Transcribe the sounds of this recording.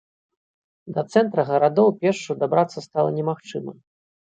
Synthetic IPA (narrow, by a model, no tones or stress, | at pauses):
d̪ɐt̪sɛnt̪ɾɐɣɐɾad̪ɔwpʲɛrʂʂud̪abɾat̪sːɐst̪alˠɐ̰nʲɛmaxt͡ʂɨmɐ